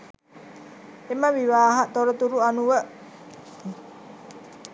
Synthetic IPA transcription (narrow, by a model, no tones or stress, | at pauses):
imawiwaɦaʔt̪ɔɾɔt̪uɾuʔanuwəʔ